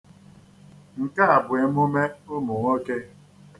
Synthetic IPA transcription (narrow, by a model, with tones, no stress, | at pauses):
ŋ̩˨ka˦a˨bʊ˨e˨˦mu˦me˦ʊ˦mʊ˨ŋo˦ke˦